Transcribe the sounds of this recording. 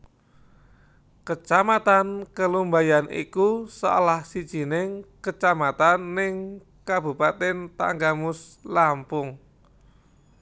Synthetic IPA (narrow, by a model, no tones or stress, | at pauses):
kət͡ʃamat̪ankəlumbajanʔḭkusa̰lahsid̥ʒ̥i̤nɪŋkət͡ʃamat̪anːɪŋ | kab̥ṳpat̪ɛnt̪a̰ŋɡamʊslampʊŋ